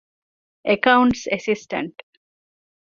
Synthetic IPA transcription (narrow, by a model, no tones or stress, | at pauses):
ʔekɐwuɳʈsesisʈɐ̰ɳʈ